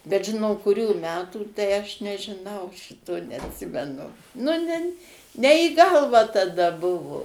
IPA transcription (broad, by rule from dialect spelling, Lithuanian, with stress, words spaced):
bʲɛt ˈʒʲɪ noː kʊˈrʲuː ˈmʲæːtuː tɐɪ ɐʃ nʲɛʒʲɪˈnɐʊ ˈʃʲɪtoː nʲɛɐtʲˈsʲɪmʲɛnʊ nʊ ˈnʲɛn nʲɛ iː ˈɡɐlˠʋɑː tɐˈdɐ ˈbʊʋʊ